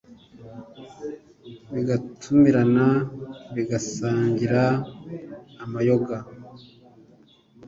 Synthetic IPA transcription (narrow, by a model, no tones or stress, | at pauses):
βiɡatʰumiɾanaβiɡasaːɲɟiɾa | majo̞ɡa